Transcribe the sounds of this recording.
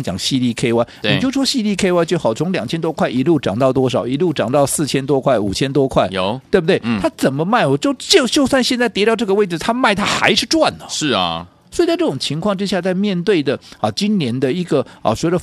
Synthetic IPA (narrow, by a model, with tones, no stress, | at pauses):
ŋt͡ɕjɑ˨˩ŋɕi˥˧li˥˩kʰe˥ɪwa˥˩ɪi˨˩t͡ɕjo˥˩ʊʈ͡ʂʰwɔ˥ɕi˥˧li˥˩kʰe˥ɪwa˥ɪt͡ɕjo˥˩xɑ˨˩ʊt͡sʰʊ˧˥ŋljɑ˨˩ŋt͡ɕʰjɛ˥nt̪wɔ˥kʰwa˥˩ɪi˧˥lu˥˩ʈ͡ʂɑ̰˨˩ŋt̪ɑ˥˩ʊt̪wɔ˥ʂɑ˨˩ʊi˧˥lu˥˩ʈ͡ʂɑ˨˩ŋt̪ɑ˥˧ʊsɹ̩˥˩t͡ɕʰjɛ˥nt̪wɔ˥kʰwa˥˩ɪu˨˩t͡ɕʰjɛ˥nt̪̬wɔ˥kʰwa˥˩ɪt̪we˥˩bə˩t̪we˥˩ɪt̪ʰa˥t͡sə˨˩nmə˦ma˥˩ɪɔ˨˩t͡ɕjo˥˧ʊt͡ɕjo˥˧ʊt͡ɕjo˥˧ʊswa˥˧nɕjɛ˥˧nt͡sa˥˩ɪt̪jɛ˧˥t̪ʈ͡ʂɤ˥˩ɡə˧we˥˩ɪʈ͡ʂ̩˩t̪ʰa˥ma˥˩ɪt̪ʰa˥xa̰˧˥ɪʂɻ̩˥˧ʈ͡ʂwa˥˩nə˩ʂɻ̩˥˩ | swɔ˧˥i˨t͡sa˥˧ɪʈ͡ʂɤ˥˩ʈ͡ʂʊ˨˩ŋt͡ɕʰi˧˥ŋkʰwɑ˥˧ŋʈ͡ʂɻ̩˥ɕja˥˧t͡sa˥˧ɪmjɛ˥˧nt̪we˥˩ɪd̪ə˩ɐ˨˩t͡ɕi˥nnjɛ˧˥nd̪ə˧i˧˥ɡə˨ə̰˨˩ɕɥɛ˧˥d̪ə˧˩